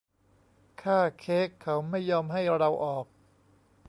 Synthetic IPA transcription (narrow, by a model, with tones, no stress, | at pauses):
kʰaː˥˩kʰe˦˥kʰːa˦˥wma˥˩jːɔː˧mɦa˥˩jɾa˧wʔɔː˨˩k̚